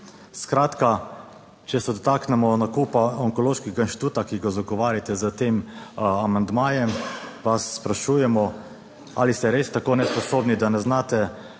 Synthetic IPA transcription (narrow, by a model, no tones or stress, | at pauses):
skɾaːt̪ka | t͡ʃɛsɛd̪ɔt̪aːknɛmɔnakuːpaɔŋkɔloːʃkiɡainʃt̪it̪uːt̪akiɡazaɡɔʋaːɾjat̪ɛzət̪eːmamand̪maːjɛmʋasːpɾaʃuːjɛmɔ | a̰list̪ɛɾeːst̪akoːnɛspɔsoːbnid̪anɛznaːt̪ɛ